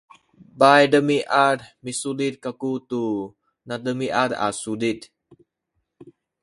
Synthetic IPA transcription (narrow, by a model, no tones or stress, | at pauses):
bajdəmiʔaɾmisulit̪̚kakut̪u | nadəmiʔaɾa̰sulit̪̚